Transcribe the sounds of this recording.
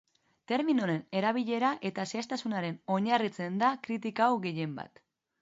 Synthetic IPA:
t̪e̞ɾminoɾe̞ne̞ɾaβ̞iʎe̞ɾaʔe̞t̪aseast̪asunaɾe̞no̞ɲarit͡se̞nd̪akɾit̪̬ikawɣe̞je̞mba̰t̪

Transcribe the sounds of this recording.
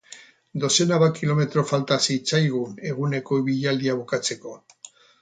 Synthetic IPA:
d̪o̞se̞naβakilo̞me̞t̪ɾo̞falt̪asit͡sajɣune̞ɣ̞une̞ko̞iβiʎald̪iaβukat͡se̞ko̞

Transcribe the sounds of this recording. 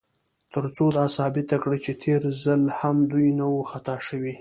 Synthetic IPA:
t̪əɾt͡sod̪ɑsɑbɪt̪akɽit͡ʃet̪ʰeɾzalhamd̪ujnawoxat̪ɑʃəwi

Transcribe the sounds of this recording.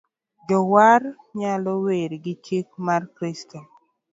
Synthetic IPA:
d͡ʒɔwar | ɲalɔweɾɡɪt͡ʃik̚markɾisto

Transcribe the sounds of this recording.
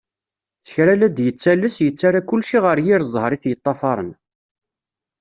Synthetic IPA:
t͡sə̥çɾælæd̪jət͡sːælːəsjət͡sːaɾakʊlːʃiʁəɾjiɾzˤhɾˤiθjət̪ˤːɑfɑɾˤə̰n

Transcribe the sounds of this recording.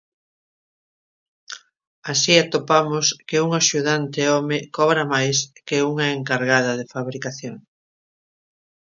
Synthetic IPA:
asiat̪opamʊskɪuŋaʃuðant̪eɔmɪkɔβɾamajskɪuŋɐeŋkaɾɣað̞ɐðefaβɾikaθjoŋ

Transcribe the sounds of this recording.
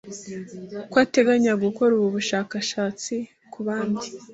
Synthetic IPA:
kwaːte̞ɡaɲaɡuko̞ɾuβuβuʃaːkaʃaːt͡si | kʰuβaːndi

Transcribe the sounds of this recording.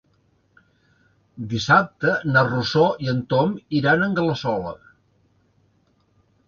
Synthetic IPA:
d̪isap̚t̪ənərusoiənt̪omiɾanəŋɡələsɔlə̰

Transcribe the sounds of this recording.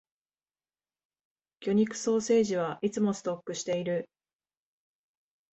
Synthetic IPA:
kʲo̞ɲ̟ikɯ̟̥so̞ːse̞ːʑiβ̞aʔit͡sɨmo̞sɨ̥t̪o̞kːɯ̟ɕi̥t̪e̞iɾɯ̟

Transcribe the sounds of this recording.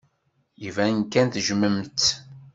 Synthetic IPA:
jivænkænθʒəməmt̪

